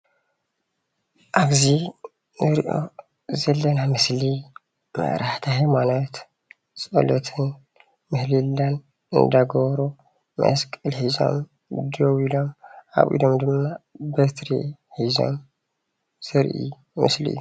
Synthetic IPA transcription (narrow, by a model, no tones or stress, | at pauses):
ʔaɡzi | nɨɾiʔo̰ | zɐlːɐnamɨsli | mə̰ʔɾʔaht̪ʰahajmanot̪ | t͡sʼo̰lot̪ʰɨn | mɨhlɨlːan | ɨ̰nd̪aɡoβɾo | mɐ̰skʼɨlhiza̰m | d̪owilomʔa̰βʔḭd̪omd̪ɨmnabət̪ɾḛhiza̰m | z̥ɨɾʔḭː | mɨ̰sliʔɨ̰ju